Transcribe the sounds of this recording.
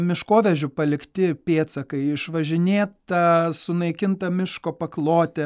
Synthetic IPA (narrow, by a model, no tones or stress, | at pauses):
mʲɪʃkoːʋʲɛʒʲʊpɐlʲɪkt̪ʲɪpʲeːt̪sɐkɐɪɪʃʋɐʒʲɪnʲeːt̪ɐsʊnɐɪkʲɪnt̪ɐmʲɪʃkoːpɐklˠoːt̪ʲɛ